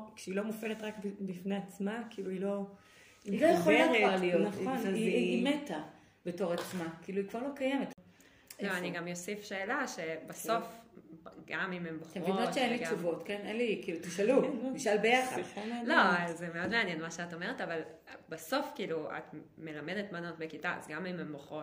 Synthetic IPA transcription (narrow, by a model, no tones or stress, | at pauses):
kʃeilo̞mufe̞letʁakbbifneat͡smakiːluilo̞ | ilojeχolavaʁlijotnaχonazimeta | b̥eto̞ʁat͡smakiːluikvaʁlo̞kajemet | zoaniɡamjosifʃeːlaʃebaso̞f | ɡamimemboχt̪amʁvionotʃeenliɡt͡ʃuvo̞tkenenlikiːlut̪iʃalumiʃalbejaχa̰amelo̞zemeo̞dmeanjenmaʃeato̞meʁetaval | baso̞fkiːlua̰t | me̞lamedetmano̞tbekitaa̰zɡamimemboχot